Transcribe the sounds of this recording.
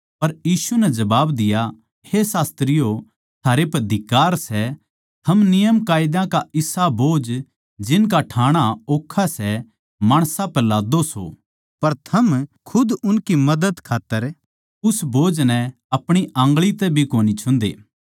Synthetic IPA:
pɐɾjiːsunɛd͡ʒɐbaːbd̪ɪja | hesaːst̪ɾɪjo | t̪ʰaːɾepɐd̪ʱɪkaːɾsɛ | t̪ʰɐmnɪjəmkaːjɪd̪ãkaɪsaboːd͡ʒ | d͡ʒɪnk̬aʈʰaːɽ̃aoːkʰːasɛ | maːɽ̃sãpɛlaːd̪oso̰ | pɐɾt̪ʰɐmkʰʊd̪ʊnkimɐd̪əd̪kʰaːt̪ːəɾ | ʊsboːd͡ʒnɛ̃ | ɐpɽ̃iʔɐ̃ːŋɡɭit̪ɛbʱikoːnit͡ʃʰʊ̃nd̪ḛː

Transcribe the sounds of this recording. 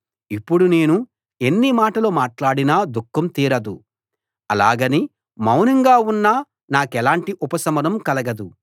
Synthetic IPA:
ipːuɽune̞ːnu | e̞nːimaːʈɐlo̞ːmaːʈlaːɽinaːd̪ukːɐmt̪iːɾɐd̪u | ɐla̰ːɡɐni | mɐwnɐŋɡaːunːaː | naːkɛlaːɳʈiʔupɐsɐmɐnɐmkɐlɐɡɐd̪u

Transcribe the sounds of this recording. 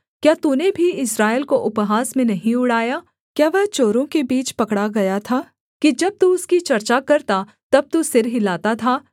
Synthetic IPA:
kjaːt̪uːnebʱiɪsɾaːɪlkoʔʊpɦaːsmẽnɐɦĩʊɽaːjaː | kjaːʋɛɦt͡ʃoːɾõkebiːt͡ʃpɐkɽaɡɐjat̪ʰaː | kid͡ʒɐb̚t̪uʊskit͡ʃɐɾt͡ʃakɐɾt̪a | t̪ɐb̚t̪usɪɾɦɪlaːt̪at̪ʰaː

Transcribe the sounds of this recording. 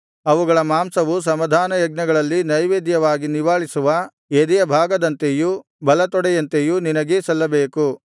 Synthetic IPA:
ɐʋuɡɐɭɐmaːmsɐʋus̬ɐmɐd̪ʱaːnɐjɐɡ̚nɐɡɐɭɐlːinɐjʋeːd̪jɐʋaːɡiniʋaːɭisuʋɐ | ed̪ijɐbʱaːɡɐd̪ɐnt̪eju | bɐlɐt̪ɔɽɛjɐnt̪ejuninɐɡesɐlːɐbeːku

